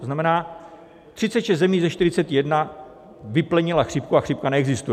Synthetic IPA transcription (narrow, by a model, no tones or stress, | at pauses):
oznamɛnaː | t̪r̥ɪt͡sɛt̪ʃɛszt̪zɛmiːzɛʃt̪ɪɾɪt͡sɛt̪jɛdna | vɪplɛɲɪlaxr̥ɪp̚kuaxr̥ɪp̚kanɛɛɡzɪst̪ujɛ